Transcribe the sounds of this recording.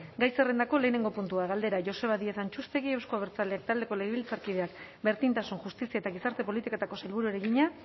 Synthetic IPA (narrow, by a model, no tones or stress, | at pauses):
ɡajsere̞nd̪ako̞le̞ːne̞ŋɡo̞punt̪uaɣald̪e̞ɾaʝo̞se̞βaðieθant͡ʃust̪e̞ɣie̞wskoaβeɾt͡saleak̚t̪ald̪e̞ko̞le̞ɣeβilt͡saɾkið̞e̞akbe̞ɾt̪int̪asunʝust̪isiaet̪aɣ̞isaɾt̪e̞po̞lit̪iko̞t̪ako̞selβuɾueɾe̞ɣiɲa